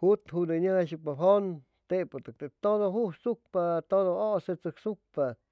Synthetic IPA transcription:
hut̪hud̪eɲaaʃ̬ɨpaɦon | t̪eʔpot̪ɨk̚t̪et̪od̪oɦusuk̚pat̪od̪ooset͡sɨksuk̚pa

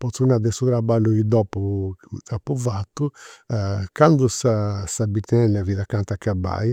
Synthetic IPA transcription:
pɔt̪sunad̪ɛsut̪ɾabalːuid̪ɔpːut̪ɾapːuvat̪ːu | kand̪usasabit̪ɛɛlːaviðakant̪akːaba̰j

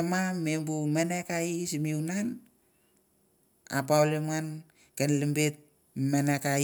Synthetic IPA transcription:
amamembumenekaisimiunan | a̰paolemŋan | kenlimbet̚ | meneka

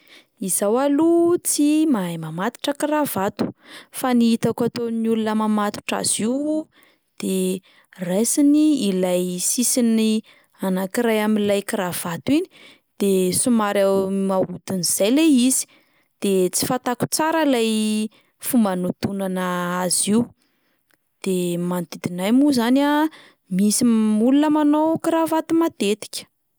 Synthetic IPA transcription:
izawalut͡simaajmamat̪i̥ʈ͡ʂəkirav̥at̪u̥faniit̪akat̪oniulunəmamat̪u̥ʈ͡ʂa̰z̥iw | d̪̥e | resiniilajsisini | anakiɾajaminlajkiɾav̥at̪uini̥ | d̪̥esumaɾamaud̪̥uniz̥ajleizi̥ | d̪̥et͡si̥fat̪aku̥t͡saɾəlaj | fumanut̪unanəaziw | d̪̥emant̪id̪inajmuzana | misimulunəmanowkiɾavat̪umad̪et̪i̥kʲə̥

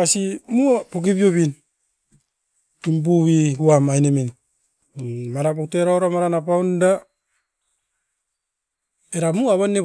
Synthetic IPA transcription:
asimuapok̬iβioβin | imbuwihuamajnemen | maɾapokteɾaoɾamaɾanapaunda | eɾamuaβanːe

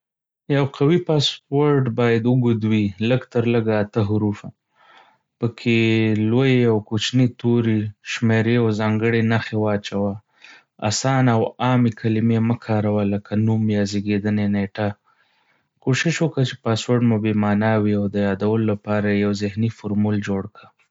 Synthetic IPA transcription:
jawqawipɑswoɾɖbɑjad̪ʊɡud̪wiləɡt̪əɾləɡaːt̪əɦʊɾufa | pəkʰelojeawkot͡ʃnit̪oɾiʃmeɾeazɑŋɡəɽenaxewɑt͡ʃawa | a̰sɑnawɑmekʰalɪmeməkʰɑɾawaləkʰanumjɑzeɡed̪əneneʈa | koʃɪʃwəkət͡ʃepɑswoɾɖmubemɑnawiawd̪əjɑd̪awəlolapɑɾajawzɪhnifoɾmuld͡ʒoɽka

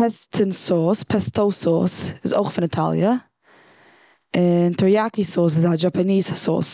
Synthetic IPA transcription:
pɛstʰənsɔːspʰɛstoʊsɔːsɪzo̰ʊχfɪnɪtʰa̰lˠjə | ɪntʰɔɹjakisɔːs̬ɪzad͡ʒapaniːz̥sɔ̰ːs

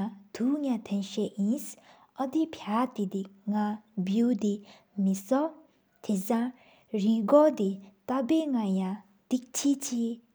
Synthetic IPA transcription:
ad̪̥uŋãt̪ʰɛ̃nʃɛʔĩs | ɔd̪ipʰjat̪id̪iŋabjud̪i | misɔ | t̪ʰizã | ɾĩɡɔd̪it̪abeŋajã | d̪̥ik̚t͡ɕʰit͡ɕʰi

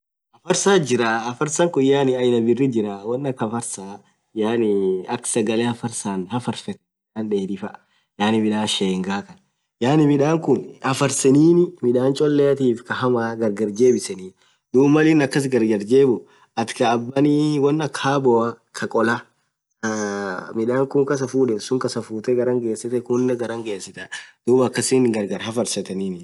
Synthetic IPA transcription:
ʔɐfɐɾsaːd͡ʒɪɾaːɐfɐɾsɐŋkʊjaːnɪɐjnɐbɪrːɪd͡ʒɪɾawɐnːɐkɐfɐɾsaː | jaːnɪɐksɐɡɐleːhɐfɐɾsaːnhɐfɐɾfɛt̪ɛ̥mɪᶑaːnᶑeːd̪ɪfɐ | jaːnɪmɪᶑaːʃeːŋɡaːkɐn | jaːnɪmɪᶑaːŋkʊnhɐfɐɾsɛniːnɪmɪᶑaːnt͡ʃʼɔlːeɐt̪iːfkɐɦɐmaːɡɐɾɡɐɾd͡ʒe̞ːbɪsɛniː | d̪uːbmːɐlɪnɐkːɐs̬ɡɐɾɡɐɾd͡ʒe̞ːbʊ | ɐt̪kɐːbːɐniːwɐnːɐkʰːaːbɔɐ | kʰɐkʼɔlɐ | mɪᶑaːŋkʊŋkɐs̬ɐfuːᶑɛsʊŋkɐsɐfuːt̪ɛɡɐɾɐŋɡe̞ːsɐt̪ɛkʊnːɐɡɐɾɐŋɡeːsːɪt̪ɐd̪̥uːbɐkːɐsɪnɡɐɾɡɐɾhɐfɐɾsɐt̪ɐniːnɪ

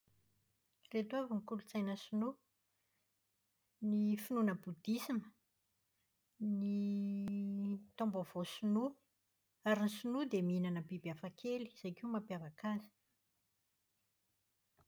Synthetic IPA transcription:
ret̪uavuŋikulut͡sajnəsunu | nifinunəbud̪isimə | ni | t̪ombavosunu | aɾinisinud̪emiinanəbibafakʰeli̥z̥ajkiumapiavakazi̥

